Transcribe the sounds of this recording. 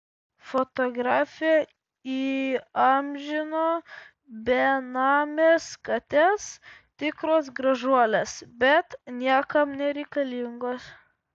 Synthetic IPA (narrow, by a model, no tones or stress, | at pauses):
fot̪oːɡɾɑːfʲɪjɛ | iːɐmʲʒʲɪnoː | bʲɛnɑːmʲeːskɐt̪ʲest̪ʲɪkɾoːsɡɾɐʒuɔlʲeːsbʲɛt̪nʲiɛkɐmnʲɛɾʲɛɪkɐlʲɪŋɡoːs